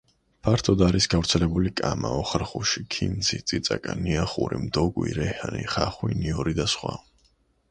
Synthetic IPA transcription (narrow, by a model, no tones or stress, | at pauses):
pʰaɾt̪ʰɔd̪aɾisɡavɾt̪sʰɛlɛbulikʼamaɔχɾχuʃikʰinzʰit̪sʼit̪sʼakʼaniaχuɾimd̪ɔɡwḭɾɛhaniχaχwiniɔɾid̪asχwa